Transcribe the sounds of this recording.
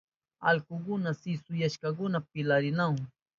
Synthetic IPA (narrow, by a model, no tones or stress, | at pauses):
a̰lkʊk̬ʊnasɪsʊjaʃkakʊnap̚ɪlaɾɪnaw